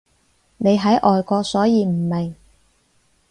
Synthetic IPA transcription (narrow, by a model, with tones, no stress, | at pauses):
ne˨˧jɦɐ˨˥jʔɔː˨jkɔː˧sɔː˨˥jiː˨˧m̩˨˩me˨˩ŋ